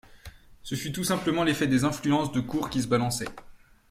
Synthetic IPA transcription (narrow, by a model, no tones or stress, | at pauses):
səfyt̪usɛ̃pləmɑ̃lefɛd̪ezɛ̃flyɑ̃sd̪əkuʁkʲisəbalɑ̃sɛ